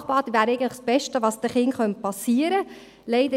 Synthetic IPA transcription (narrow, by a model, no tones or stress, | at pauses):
χb̥ɑːd̪iʋæːɾɛɪɡəntləχsb̥ɛʃtəʋɑːsd̥̪əχɪnχœnt̚pɑsiːəɾə | lɛɪd̪ə